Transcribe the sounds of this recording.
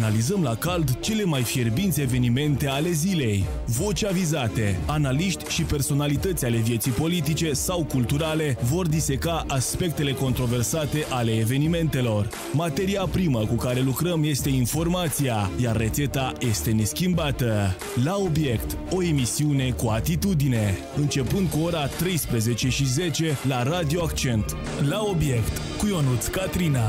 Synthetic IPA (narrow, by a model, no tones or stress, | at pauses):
analizəmlakald̪t͡ʃe̞le̞majfirbinsʲe̞ve̞nime̞nt̪e̞ale̞zile̞j | vo̞t͡ʃʲavizat̪e̞analiʃt̪ʲʃipe̞rso̞nalit̪ət̪sʲale̞vije̞t̪sijpo̞lit̪̬it͡ʃe̞sawkult̪uɾale̞vo̞rd̪ise̞kaʔaspe̞k̚t̪e̞le̞ko̞nt̪ɾo̞ve̞rsat̪e̞ʔale̞ːve̞nime̞nt̪e̞lo̞r | mat̪e̞ɾiapɾiməkukaɾe̞lukɾəmje̞st̪e̞info̞rmat̪sijajarːet̪se̞t̪aje̞st̪e̞ne̞skʲimbat̪ə | lao̞bje̞kt̪ | o̞e̞misiune̞kuat̪it̪ud̪ine̞ | ɨnt͡ʃe̞pɨnd̪̚kuo̞ɾat̪ɾe̞jspɾəze̞t͡ʃe̞ʃize̞t͡ʃe̞laɾad̪ioakt͡ʃe̞nt̪ | lao̞bje̞kt̪ | kujo̞nut̪skat̪ɾina